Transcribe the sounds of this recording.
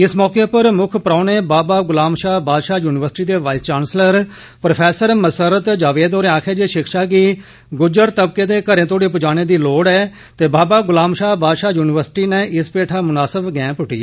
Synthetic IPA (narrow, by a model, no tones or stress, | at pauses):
ɪsmɔːkeːpəɾmʊkʰpɾaːneːbaːbaːɡʊlaːmʃaːbaːd̪ʃaːjuːnɪʋəɾsɪ̥ʈiːd̪eːʋaːɪst͡ʃaːnsləɾ | pɾopʰɛːsəɾməsəɾət̪d͡ʒaːʋeːd̪oːɾẽaːkʰeːd͡ʒeːʃɪkʰʃaːkiː | ɡʊd͡ʒəɾt̪əb̚keːd̪eːkəɾẽːt̪oːɽeːp̬ʊd͡ʒaːñeːd̪iːloːɽɛː | t̪eːbaːbaːɡʊlaːmʃaːbaːd̪ʃaːjuːnɪʋəɾsɪ̥ʈiːneːʔɪspeːʈʰaːmʊnaːsəbɡɛ̃ːpʊʈiːɛ